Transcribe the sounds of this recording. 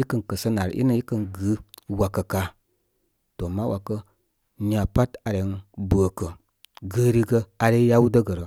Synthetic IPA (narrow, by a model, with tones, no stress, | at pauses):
i˦kə˦nkə˨sə˦na˨ɾʔḭ˦nə˨i˦kə˨nɡɨ˨˦wa˨kːə˨ka˨ | to˨ma˦wʔa˨kə˦ | ɲa˨pa˦ta˨ɾe˨˦nbə˨kə˨ | ɡə˦ɾi˦ɡə˧a˨ɾe˦ja˦wu˦də˦ɡə˨ɾə˨